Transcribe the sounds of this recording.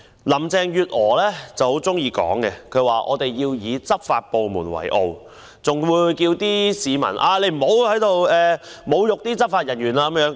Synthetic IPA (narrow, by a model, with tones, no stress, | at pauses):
lɐ˨˩mt͡sɛː˨˧ŋjyː˨t̚ɔː˨˩lɛː˥t͡sɐ˨who˨˥wt͡sʊ˥ŋjiː˧kɔ̰ː˨˥ŋkɛ˧kʰɵ˨˧ɥwaː˨ʔɔ̰ː˨˧t̪e˨jːiː˧wjiː˨˧t͡sɐ˥p̚faː˧t̚po˨wmuː˨˩nwɐ̰˨˩jʔo̰˧w | t͡sʊ˨ŋwuː˧jkiː˧wt̪iː˥siː˨˧mɐ̰˨˩nʔaː˧le˨˧jm̩˨˩ho˨˥whɐ˨˥jt̪o˨wɛː˨mo˨˧wjʊ˨k̚t̪iː˥t͡sɐ˥p̚faː˧t̚jɐ˨˩njyː˨˩naː˧kɐ˧˦mjœː˨˥ŋ